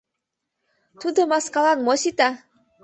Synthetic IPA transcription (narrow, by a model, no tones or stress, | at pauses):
t̪ud̪omaskalanmɔsit̪a